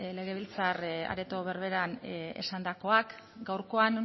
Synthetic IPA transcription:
le̞ɣ̞e̞βilt͡sara̰ɾe̞t̪o̞βe̞ɾβe̞ɾane̞̰sand̪ako̞ak | ɡawɾko̞an

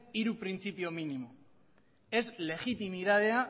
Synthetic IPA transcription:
iɾupɾint͡sipio̞minimo | e̞zle̞ɣit̪imiðað̞e̞a

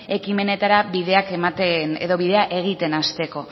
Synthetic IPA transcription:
e̞kime̞ne̞t̪aɾaβiðe̞akemat̪enḛðo̞βiðe̞aʔe̞ɣ̞it̪e̞nast̪e̞ko̞

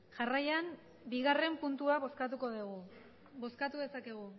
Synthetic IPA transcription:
ʝarajan | biɣare̞mpunt̪uaβo̞skat̪uko̞ðuɣ̞u | bo̞skat̪uðe̞sake̞ɣ̞u

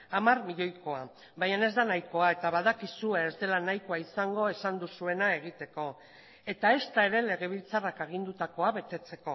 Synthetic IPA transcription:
amarmiʎo̞jko̞a | bajane̞zd̪anajko̞ae̞t̪aβaðakisue̞ːzd̪e̞lanajko̞aisaŋɡo̞e̞sand̪usue̞nae̞ɣ̞it̪e̞ko̞ | e̞t̪ae̞st̪ae̞ɾe̞le̞ɣ̞e̞β̞ilt͡sarakaɣ̞ind̪ut̪ako̞aβe̞t̪e̞t͡se̞ko̞

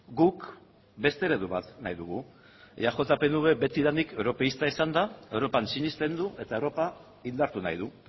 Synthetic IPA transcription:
ɡuk | be̞st̪e̞ɾe̞ðuβat̪najðuɣu | ʝaʝo̞t̪ape̞nuβe̞be̞t̪iðanikewɾo̞pe̞ist̪aisand̪ae̞wɾo̞pansiɲist̪e̞nd̪uʔe̞t̪aewɾo̞pa | ind̪aɾt̪unajð̞u

